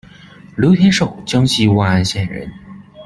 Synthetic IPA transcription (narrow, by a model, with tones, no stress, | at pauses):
ljo˧˥ʊt̪ʰjɛ˧˥nʂo˨˩ʊt͡ɕjɑ˥ŋɕi˥˧wa˥˧na˥˧nɕjɛ˨˩nɻə̰˧˥n